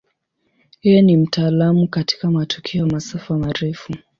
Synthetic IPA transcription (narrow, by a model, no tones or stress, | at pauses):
hɛjɛnim̩tʰaːlamukati̥kamatʰu̥kʰɛɔmasafamaɾɛfu